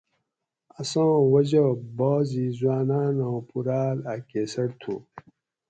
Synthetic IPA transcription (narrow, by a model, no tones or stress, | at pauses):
asãːwɐd͡ʑɐboːzizwaːnaːnõːpuɾaːlakeːsɐɽt̪ʰṵ